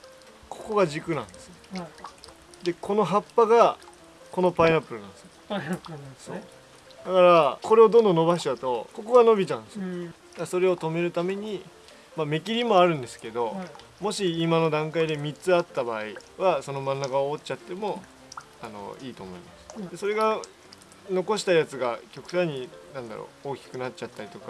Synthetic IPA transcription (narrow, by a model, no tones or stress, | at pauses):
kʰo̞̥ko̞ɡaʑikɯ̟nã̰nd̪e̞sɨ̥ | d̪e̞ko̞no̞ɦapːaɡa | ko̞no̞painapːɯ̟ɾɯnãnd̪esɨ | so̞̰ | d̪̥akaɾako̞ɾe̞o̞d̪õnd̪o̞no̞baɕi̥t͡ɕat̪o̞ko̞ko̞ɡano̞bʲit͡ɕãnsɨd̪aso̞ɾe̞o̞t̪o̞me̞ɾɯ̟t̪ame̞ɲ̟i | mamekʲiɾʲimo̞aɾɯ̟̃nd̪e̞sɨ̥ke̞d̪o̞mo̞ɕiːmano̞d̪ãŋkaid̪e̞mʲit͡sɨat̪ːabaːiβaso̞no̞mãnːakaoːt͡ɕat̪ːe̞mo̞ | ano̞̰iːt̪o̞ːmo̞imasɨ̥d̪̥e̞so̞ɾe̞ɡa | no̞ko̞ɕi̥t̪ajat͡sɨɡakʲo̞kɯ̟̥t̪aiɲ̟inãnd̪a̰ɾo̰oːkʲi̥kɯ̟nat͡ɕt͡ɕat̪ːaɾʲit̪o̞ka